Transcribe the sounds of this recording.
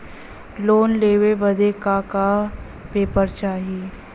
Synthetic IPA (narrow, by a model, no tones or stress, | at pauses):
loːnleːʋebɐd̪ekaːka | peːpəɾt͡ʃaːɦeː